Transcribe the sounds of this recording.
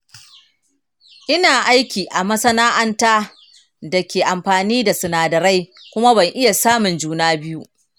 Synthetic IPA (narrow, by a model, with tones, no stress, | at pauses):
ʔɪ˦naː˨ʔa˦jkʲiː˨ʔa˨mɐ˦sɐ˦naː˦ʔɐ˦ntaː˦ | da˨kʲeː˨ʔa˨mɸaː˨niː˦da˨sʊ˨naː˨dɐ˨ɾa˦j | kʷʊ˦ma˦bɐ˨ŋʔɪ˦ja˨saː˦mʊ˨nd͡ʒuː˦naː˦bɪ˦ju˦ʔ